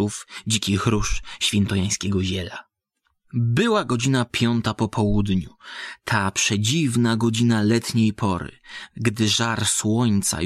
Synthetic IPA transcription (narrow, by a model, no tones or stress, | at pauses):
ufd͡ʑikʲixɾuʂɕfʲjɛnt̪ɔjaj̃skʲɛɡɔʑɛla | bɘwaɡɔd͡ʑinapʲjɔnt̪apɔpʰɔwud̪ɲut̪ʰapʂɛd͡ʑivnaɡɔd͡ʑinalɛt̪ɲejpʰɔɾɘ̰ɡd̪ɘʐaɾswɔɲt̪sa̰